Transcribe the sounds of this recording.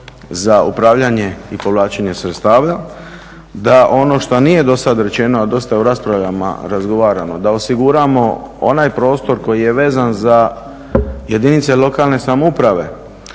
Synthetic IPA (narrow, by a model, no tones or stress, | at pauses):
zaṵpɾaːʋʎaɲe̞ipo̞ʋlˠaːt͡ʃeɲe̞sɾet̪st̪aːʋa | d̪aʔo̞no̞ʃt̪onije̞d̪o̞sad̪ɾe̞t͡ʃe̞noad̪o̞st̪ajeuɾaspɾaʋʎama̰ɾazɡo̞ʋaːɾano̞̰d̪ao̞siɡuɾamo̞o̞̰najpɾo̞ːst̪o̞ɾko̞jije̞ʋe̞ːzanza | je̞d̪init̪selo̞kaːlne̞samoupɾaʋe̞̰